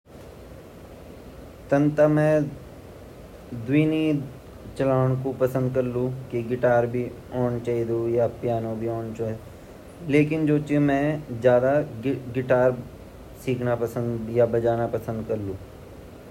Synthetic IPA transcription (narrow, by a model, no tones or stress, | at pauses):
t̪ɐ̃nt̪amɛ̃ː | d̪wiːni | t͡ʃɐlaːɽ̃kopɐsə̃nd̪̚kɐɾlũkiɡɪʈaːɾbʱi | ɔːnt͡ʃaːid̪ujapjaːnõbʱiɔːnt͡ʃaːi | leːkɪnd͡ʒoːt͡ʃemɛ̃d͡ʒjaːd̪aɡɪʈaːɾ | siːkʰnapɐsə̃nd̪jabɐd͡ʒaːnapɐsə̃nd̪kɐɾlũː